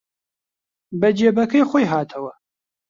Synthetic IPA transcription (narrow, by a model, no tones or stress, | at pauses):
bɐd͡ʒeːbɐkʰɐjχojɦaːt̪ʰɐwɐ